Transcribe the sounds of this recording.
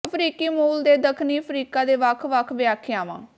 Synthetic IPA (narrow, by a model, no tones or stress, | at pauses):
əpʰɾiːkiːmuːld̪eːd̪əkʰniːpʰɾiːkaːd̪eːʋəkʰʋəkʰʋɪjaːkʰːɪjãːʋã̰ː